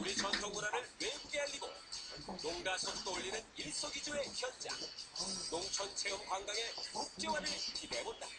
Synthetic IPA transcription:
uɾit͡ɕʌntʰoŋɡuɾaɾɯɭweɡuɡeaʎːiɡo̰ | noŋdasʰʌkt͈oʎːinɯniɭs͈oɡid͡ʑoe̞çjʌnd͡ʑa̰noŋt͡ɕʰʌnt͡ɕʰeɯmkwaŋɡaŋe̞kʰok̚t͡ɕ͈ewanɯɭiimebonda̰

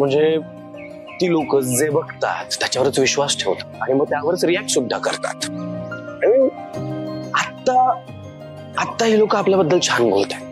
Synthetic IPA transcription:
m̤əɳd͡ze | t̪iːlokət͡sd͡zebəkt̪a̰t̪ːjat͡ɕaʋəɾət͡sʋiɕʋasʈʰeʋt̪ḁaɽ̃iməɡ̚t̪jaʋəɾət͡sɾijɛk̚ʈsud̪ʱːa̰kəɾt̪a̰t̪ | aɽ̃i | at̪ːa | at̪ːaɦiːlokəapljabəd̪ːəlt͡ɕʰanbʱo̰lt̪ḁ

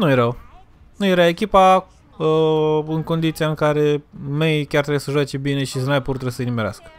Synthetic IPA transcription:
nujeɾəw | nuje̞ɾaekʲipa | əɨŋko̞nd̪it̪sijaɨŋkaɾe̞mejkʲart̪ɾebjesəʒwat͡ʃe̞bine̞ʃisnajpurt̪ɾəsəinimeɾa̰skə̥

